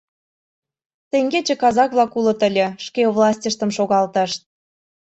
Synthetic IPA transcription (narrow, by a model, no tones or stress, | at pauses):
t̪eŋɡet͡ɕĕkɑzɑkβlɑkulɤ̆t̪əlʲĕʃkevlˠɑsʲtʲə̆ʃt̪ə̆mʃoɣɑlt̪ɑʃt̪̚